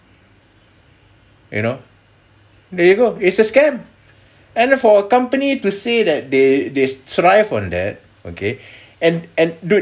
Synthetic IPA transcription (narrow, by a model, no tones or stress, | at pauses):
jṵno | dɛjuɡoɪtsəskɛ̃m | ɛ̃nfɔəkãmpənitusedɛt̚dedetɹaɪvɔ̃ndɛ̰t̚ | o̰kʰe | ɛ̃nɛ̃ndu